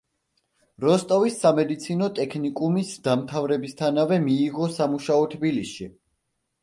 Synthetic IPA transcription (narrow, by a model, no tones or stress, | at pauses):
ɾɔst̪ʼɔvisːamɛd̪it̪sʰinɔt̪ʼɛkʰnikʼumisd̪amt̪ʰavɾɛbist̪ʰanavɛmiːʁɔsamuʃaɔt̪ʰbilisʃi